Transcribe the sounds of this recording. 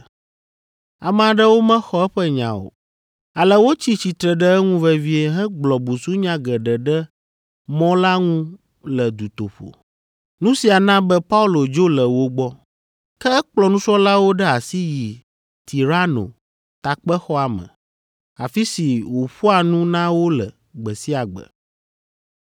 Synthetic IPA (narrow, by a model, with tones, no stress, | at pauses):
a̰˨mɛ̃˨a˨ɖɛ˦wo˦mɛ̃˦xɔ˦ɛ˦ɸɛ˦ɲã̰˨o̰˨ | a˨lɛ˨wo˦t͡ɕi˦t͡ɕi˨t̪ɾɛ˨ɖɛ˦ɛ˦ŋũ˦vɛ˦vi˦e˦ɦɛ̃˦ɡ͡blɔ˨bu˨su˦ɲã˦ɡɛ˨ɖɛ˨ɖɛ˦ | mɔ̃˦la˦ŋũ˦ | lɛ˨d̪u˨t̪o̰˨ɸo̰˨ | nũ˦si˨a˨nã˦bɛ˦pa˦u˦lo˨d͡ʒo˦lə˨wo˦ɡ͡bɔ˦ | kɛ˦ɛ˦k͡plɔ˦nũ˦t͡ʃɔ˦la˦wo˦ɖɛ˦a˨si˦ji˨ | t̪i˨ɾa˦no̰˨ | t̪a˨k͡pɛ˦xɔ˦a˨mə̰̃˨ | a˨fi˦si˨wo˨ɸu˦a˨nũ˦nã˦wo˦lə̰˨ | ɡ͡bɛ˨si˦a˨ɡ͡bə̰˨